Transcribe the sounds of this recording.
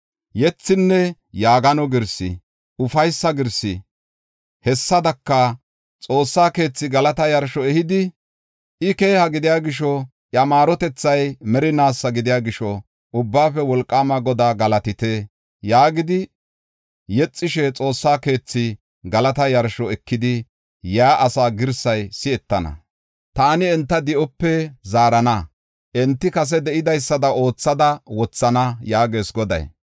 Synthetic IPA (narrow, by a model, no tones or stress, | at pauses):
jɛt͡sːɪnːɛ | jaːɡɐnɔɡɪɾsɪ̰ | ʊfɐjsːɐɡɪɾsɪ̰ | hɛsːɐd̪ɐkːɐ | t͡sʼo̞ːsːaːke̞ːt͡sːɪɡɐlɐt̪ɐjɐɾʃɔɛhɪd̪ɪ | ʔɪke̞ːhɐɡɪd̪ɪjaːɡɪʃɔ | ʔjɐmaːɾɔt̪ɛt͡sːɐjmɛɾɪnaːsːɐɡɪd̪ɪjaːɡɪʃɔ | ʔʊbːaːfɛwɔlkʼːaːmɐɡɔd̪aːɡɐlɐt̪ɪt̪eː | jaːɡɪd̪ɪ | jɛt͡sʼːɪʃɛt͡sʼo̞ːsːaːke̞ːt͡sːɪ | ɡɐlɐt̪ɐjɐɾʃɔɛkːɪd̪ɪ | jaːʔɐsaːɡɪɾsɐjsɪɛt̪ːɐnɐ̰ | t̪aːnɪɛnt̪ːɐd̪ɪʔɔpːɛzaːɾɐnɐ | ʔɛnt̪ːɪkɐs̬ɛd̪ɛʔɪd̪ɐjsːɐd̪ɐo̞ːt͡sːɐd̪ɐwɔt͡sːɐnɐjaːɡe̞ːsɡɔd̪ɐ̰j